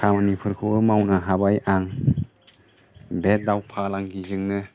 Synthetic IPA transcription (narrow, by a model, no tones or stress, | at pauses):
kʰamanipʰɯɾkʰɯmawnɯɦabajʔaŋ | bet̚dawpʰalaŋɡizɯŋnɯ